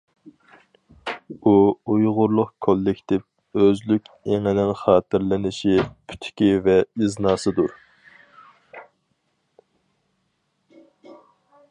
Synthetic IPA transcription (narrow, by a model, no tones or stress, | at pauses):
uujʁʊɾlˠʊqkʰolːɪkʲt̪ʰɪp | øzlykʲeŋɪnɪŋχɑːt̪ʰɪɾlɪnɪʃipʰy̥t̪ʰɪ̥kʲivɛiznɑːsɨd̪uɾ